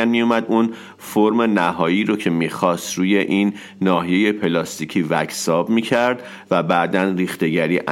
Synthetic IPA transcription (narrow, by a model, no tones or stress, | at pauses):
ænmijumæd̪un | foɾme̞næɦɒːjiːɾo̞cʰe̞miːxɒːst̪ɾuːje̞ʔinː | ɒːɦije̞je̞pʰe̞lɒːst̪icʰiːvæcʰsɒːbmiːcʰæɾd̪ | væbæʔd̪ænriːxt̪e̞ɟæɾiːʔ